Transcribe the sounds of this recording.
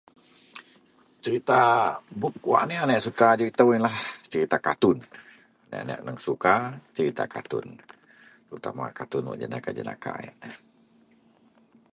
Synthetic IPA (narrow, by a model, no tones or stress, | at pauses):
t͡ʃəɾit̪abuk̚kua̰ʔnianɛʔsukad͡ʒəɾit̪awinlaht͡ʃəɾit̪akat̪ʊn | nɛ̰ʔanɛ̰ʔnəŋsukat͡ʃəɾit̪a̰kat̪ʊ̰n | t̪əɾut̪ama̰kat̪ʊnwɔ̰ʔd͡ʒənakad͡ʒəna̰ka̰ja̰ʔna